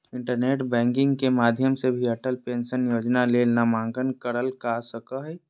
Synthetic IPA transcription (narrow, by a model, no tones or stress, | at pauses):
ɪɳʈəɾneːʈbɛ̃ːŋkɪ̃ŋɡkemaːd̪ʱjəmsebʱiəʈʰəlpẽnsənjoːd͡ʒnalelnamãːŋɡənkəɾəlkasəkəɦə